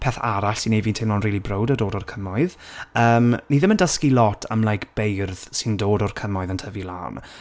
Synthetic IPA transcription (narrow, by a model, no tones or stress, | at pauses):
pʰɛθa̰ɾaɬsinejviːntʰɪmlɔnriːlˠibrowdədoːdɔrkʰəmɔɨðəːmniðɪməndəskilˠɔtʰa̰mlˠajkb̥ejrð̥sɪndoːdɔrkʰəmɔɨðəntʰəvilˠa̰wn